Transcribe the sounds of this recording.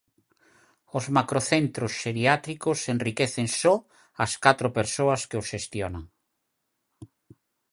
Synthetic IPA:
ʊzmakɾoθent̪ɾosʃeɾiat̪ɾikosenrikeθeŋsɔ | ɐskat̪ɾopeɾsoɐskɪosʃest̪jonaŋ

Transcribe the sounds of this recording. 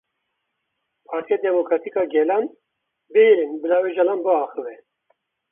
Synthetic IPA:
pʰɑːɾt̪ʰijed̪ɛmokɾaːt̪ʰikɑːɡɛlan | bɨjiɾinbɨlaːweʒalamboɑːxɨvɛ

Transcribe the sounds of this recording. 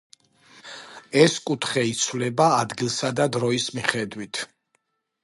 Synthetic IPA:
ɛskʼut̪ʰχɛit̪sʰwlɛbaːd̪ɡilˠsad̪ad̪ɾɔismiχɛd̪wit̪ʰ

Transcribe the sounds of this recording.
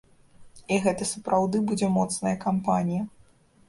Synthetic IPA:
iɣɛt̪ɐsɐpɾʔawd̪ɨbud͡zʲɛmɔt̪snɐjɐkampanʲijɐ

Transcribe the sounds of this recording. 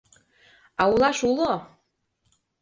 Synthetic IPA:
ɑulɑʃulo

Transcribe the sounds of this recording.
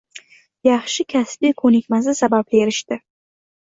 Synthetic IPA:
jɑχʃɪkʲʰasbijkʰonikʲmazɪsabab̚eɾɪʃt̪ɪ

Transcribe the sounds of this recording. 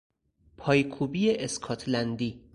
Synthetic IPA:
pʰɒːjkʰuːbijeʔeskʰɒːt̪ʰlænd̪iː

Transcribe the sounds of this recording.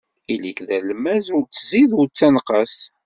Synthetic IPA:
iləɡðælmæzʊɾt͡sːəziðʊɾt͡sːænqəs

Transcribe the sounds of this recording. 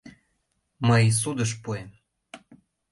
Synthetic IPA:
məjs̬ud̪əʃ̬puem

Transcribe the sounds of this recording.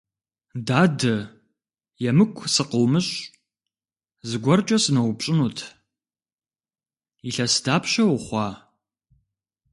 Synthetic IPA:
daːdɐ | jɛmɨkʷʰsɨqəwmɨɕʼ | zɨɡʷɔrt͡ʃʼɐsɨnɐwpɕʼɪnuːtʰ | iɬɐsdaːpʰɕɐwχʷɑː

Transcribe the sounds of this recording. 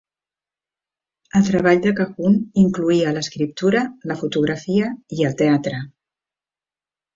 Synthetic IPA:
əlˠt̪ɾəβ̞aʎd̪əkəɣuniŋkluiələskɾip̚t̪uɾələfut̪uɣɾəfiəiəlˠt̪eat̪ɾə

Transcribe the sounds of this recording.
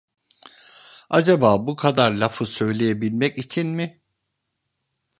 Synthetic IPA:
ad͡ʒabaːbukʰad̪aɾlʲafɯsø̞jlʲe̞jebilʲmɛcit͡ʃʰinmɪ

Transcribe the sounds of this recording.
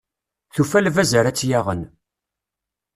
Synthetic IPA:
θufælvæzəɾæt͡sːjaʁən

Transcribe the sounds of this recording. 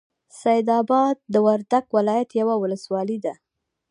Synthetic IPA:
sajd̪ɑbɑd̪̚ːəwaɾd̪aɡwɪlɑjat̪jawawʊləswɑlid̪a

